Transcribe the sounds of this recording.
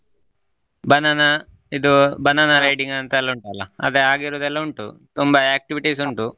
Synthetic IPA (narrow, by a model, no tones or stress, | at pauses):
bɐnɐnɐ | id̪ubɐnɐnɐɾɐjʈiŋɡɐnt̪ɐɛlːɐuɳʈaːlɐɐd̪eaːɡiɾoːd̪ɛlːɐuɳʈut̪umbɐaːk̚ʈiʋiʈisuɳʈu